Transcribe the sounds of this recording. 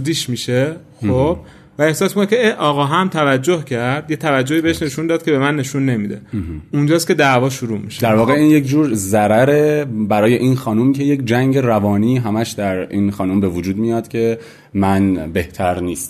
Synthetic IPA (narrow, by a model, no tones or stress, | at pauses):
d̪iːʃmiʃe | xob̥ | væe̞hsɒːsmikonecʰe̞eʔɒːɣɒːɦæmt̪ʰævæd͡ʒːo̞hcʰæɾɾd̪jet̪ʰævæd͡ʒːo̞hiːbeeʃne̞ʃund̪ɒːd̪̥̚cʰʲe̞be̞mænːe̞ʃunːe̞miːd̪e̞̰und͡ʒɒːskʲe̞d̪æʔvɒːʃuɾuːmiʃed̪æɾvɒːɣeiːnje̞cd͡ʒuːɾzæɾæɾebæɾɒːje̞ʔiːnxɒːnumcʰe̞je̞cʰd͡ʒæŋɟe̞ɾævɒːniːɦæmæʃd̪æɾiːnxɒːnumbe̞vod͡ʒuːd̪mijɒːd̪̥cʲʰe̞ | mænbe̞ht̪ʰæɾniːst̪